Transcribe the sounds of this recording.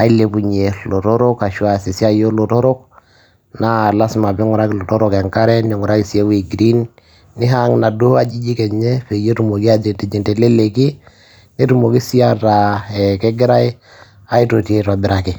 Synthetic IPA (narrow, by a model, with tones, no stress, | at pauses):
a˨i˦le˨pu˨ɲe˨lo˨to˦ɾo˦ka˨ʃu˦a˨si˨si˦a˦jo˦lo˨tɔ˦ɾɔ˦k | na˦la˦sma˨bi˦ŋu˨ɾa˦ki˨lo˨tɔ˦ɾo˦kɛ˨ŋka˦ɾɛ˦ni˨ŋu˨ɾa˦ki˨si˨e˦we˨ɡɾi˦nː | i˦ɦa˦ŋna˨do˦ha˦d͡ʒi˦d͡ʒi˦kɛ˨ɲɛ˦fe˨je˦tu˨mo˨ki˦a˦d͡ʒe˨te˨d͡ʒi˨ntɛ˨le˦le˨ki˦ | ni˦tu˨mo˨ki˦si˦a˦ɾa˨ɛ˨kɛ˦ɡi˦ɾa˦j | a˦i˦to˨ti˨e˦ta˨bi˨ɾa˨ki˨